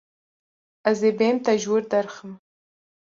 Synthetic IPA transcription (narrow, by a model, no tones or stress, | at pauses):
azebemt̪aʒuɾd̪aɾxəm